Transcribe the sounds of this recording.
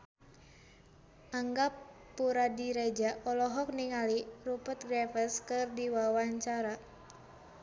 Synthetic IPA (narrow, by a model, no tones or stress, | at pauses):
aŋɡapː | uɾadiɾɛd͡ʒaʔɔlɔɦɔk̚niŋalirupət̪̚ɡɾɛfəskɨrdiwawaɲt͡ʃaɾa